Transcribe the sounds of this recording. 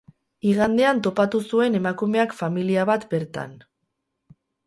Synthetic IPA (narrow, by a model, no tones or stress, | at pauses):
iɣand̪e̞ant̪o̞pat̪usue̞ne̞makume̞akfamiliaβat̪be̞ɾt̪a̰n